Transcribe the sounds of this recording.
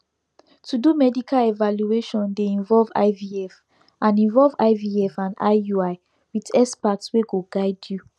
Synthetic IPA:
tʰudumɛdikʰalevaljueʃɔ̃ndeĩnvɔlva̰ɪviɛf | ãnĩnvɔlva̰ɪviɛfãna̰ɪjuaɪ | witɛspatsweɡoɡaɪdju

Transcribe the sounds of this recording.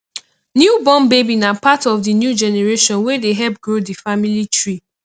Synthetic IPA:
njubɔ̃mbebinapatɔvdinjud͡ʒɛneɹeʃɔ̃nwɛdeɦɛp̚ɡɹodifamilitɹi

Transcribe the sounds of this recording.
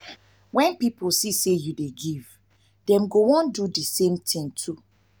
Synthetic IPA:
wɛ̃npipolsisejudeɡiv̥ | dɛ̃mɡowɔ̃ndudisẽmtʰĩŋtʰu

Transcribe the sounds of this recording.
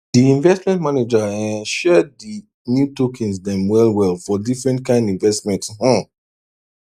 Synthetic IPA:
diĩnvɛstmɛ̃ntmaned͡ʒaɛ̃nʃɛdi | njutokʰĩnsdɛ̃mwɛlwɛlfɔdifɹɛ̃ntkʰãɪ̃ndĩnvɛstmɛ̃ntshɔ̃

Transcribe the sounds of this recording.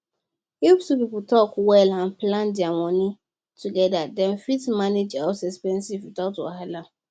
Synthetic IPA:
iftupipltʰɔkwɛlãnplãndiawɔ̃nĩ | tʰuɡɛdadɛ̃nfitmaned͡ʒaʊsɛspɛ̃nsivwidaʊtwɔ̰halã

